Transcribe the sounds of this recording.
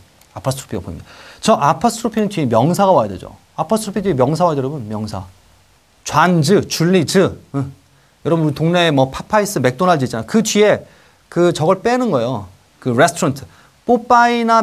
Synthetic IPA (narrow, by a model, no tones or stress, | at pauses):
apʰas͈ʰɾu̥pʰiɡabo̰ḭmɲid̥at͡ɕʌʔapʰastʰɯɾupʰinɯnt͡ɕimjʌŋsʰaɣawajʌde̞d͡ʑo̰ | apʰasʰtʰɯɾupʰid͡ʑiemjʌŋsʰawajʌdeɾʌbunmjʌŋsʰa̰ | t͡ɕwand͡ʑɯt͡ɕuɭːid͡ʑɯɯ | jʌɾʌbɯtoŋne̞mʌpʰapʰais͈ɯme̞k̚t͈onad͡ʑɯit͡ɕ͈anajokɯd͡ʑie̞ | kɯt͡ɕʌɡʌɭp͈e̞nɯnɡʌeo | kɯɾe̞sʰtʰɾʌntʰɯ̥ | p͈op͈aina